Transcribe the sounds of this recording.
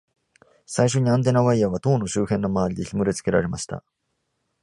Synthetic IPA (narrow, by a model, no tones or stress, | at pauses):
saiɕo̞ɲ̟iãnt̪̬e̞naβaijaβ̞at̪o̞ːno̞ɕɨːhẽ̞nːo̞maβaɾʲid̪e̞çimɯ̟ɾe̞t͡sɨ̥ke̞ɾa̰ɾe̞maɕi̥t̪a̰